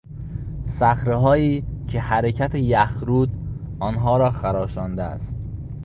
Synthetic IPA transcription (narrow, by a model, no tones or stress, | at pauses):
sæxɾeɦɒːiːcʰe̞hæɾe̞cʰæt̪ʰejæxɾuːd̪ | ɒːnɦɒːɾɒːxæɾɒːʃɒːnd̪eæ̰st̪̚